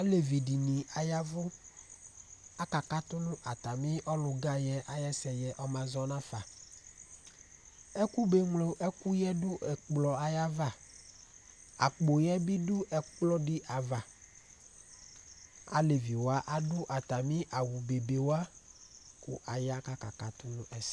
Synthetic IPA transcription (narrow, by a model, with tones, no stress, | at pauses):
a˦le˨vi˨di˨nĩ˨a˨ja˦vʊ˦ | a˦ka˨ka˦t̪ʊ˦nʊ̃˦ʔa˨t̪a˨mɪ̃˦ʔɔ˦lʊ˨ɡa˦jɛ˦ʔa˨jɛ˦sɛ˨jɛ˨ʔɔ˦mã˨zɔ˨nã˦fa˨ | ɛ˦ku˦be˨ŋlo˨ʔɛ˦ku˦jɛ˦dʊ˦ʔɛ˨k͡plɔ˨a˨ja˦va˦˨ | a̰˨k͡po˨jɛ˦bi˦dʊ˦ɛ˨k͡plɔ˦ɖɪ˦ʔa˨va˨ | a̰˨le˨vi˨wa˦ʔa˦dʊ˦ʔa˨t̪a˨mĩ˦ʔa˨wu˨be˨be˨wa˦ | kʊ̰˨ʔa˨ja˦ka˨ka˨ka˨t̪ʊ˦nʊ̃˦ʔɛ˦s